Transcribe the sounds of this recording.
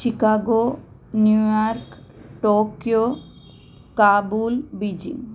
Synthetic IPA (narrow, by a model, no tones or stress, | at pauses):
ʃikaɡo | njujaɾk | ʈokjo | kabulbid͡ʒḭŋ